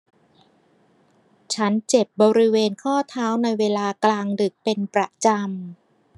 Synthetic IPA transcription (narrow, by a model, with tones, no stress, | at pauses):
t͡ɕʰa˦˥nt͡ɕe˨˩p̚bɔː˧ɾi˦˥weː˧nkʰɔː˥˩t̪ʰaː˦˥wna˧jweː˧laː˧klaː˧ŋdɯ˨˩k̚pe˧npɾa˨˩t͡ɕa˧m